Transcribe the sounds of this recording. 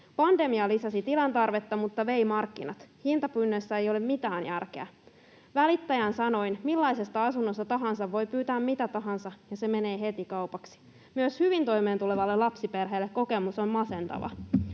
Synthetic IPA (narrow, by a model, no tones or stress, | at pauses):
pɑnd̪e̞miɑlisɑsit̪ilɑnt̪ɑrʋet̪ːɑmut̪ːɑʋe̞imɑrkːinɑt̪hint̪ɑpynːøsːæejo̞lemmit̪æːnjærkeæ | ʋælit̪ːæjænsɑno̞inmilːɑjse̞st̪ɑɑsunːo̞st̪ɑt̪ɑɦɑnsɑʋːo̞jpyːt̪æːmmit̪æt̪ɑɦɑnsɑjɑse̞me̞ne̞ːɦe̞t̪ikɑupɑksi̥ | myøshyʋint̪o̞jme̞ːnt̪uleʋɑlːelɑpsiperɦeːlːekko̞kemusommɑse̞nt̪ɑ̰ʋɑ̰